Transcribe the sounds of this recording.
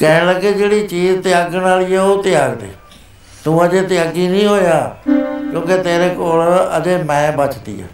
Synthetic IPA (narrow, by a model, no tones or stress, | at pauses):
kɛːləked͡ʒeːɽiːt͡ʃiːzt̪ɪjaːɡnaːliːɛːoːt̪ɪjaːɡd̪ḛː | t̪ũːəd͡ʒeːt̪ɪjaːɡiːnĩːɦoːjaːkjõːket̪eːɾeːkoːləd͡ʒeːmɛ̃ːbət͡ʃt̪ḭːa̰ː